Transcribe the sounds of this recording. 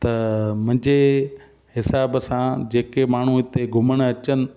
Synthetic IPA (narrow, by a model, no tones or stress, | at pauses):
t̪ɐmʊ̃ɦɪ̃ɲd͡ʑe | ɦɪsaːbsãd͡ʑeːkemaːɳ̤uɪt̪eɡʱʊməɽ̃ɐt͡ɕənɪ̆